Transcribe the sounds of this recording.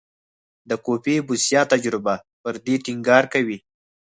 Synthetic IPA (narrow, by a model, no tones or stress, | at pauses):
d̪əkopebusjɑːt̪ad͡ʒɾɪba | pəɾd̪eʈiŋɡɑːɾkawi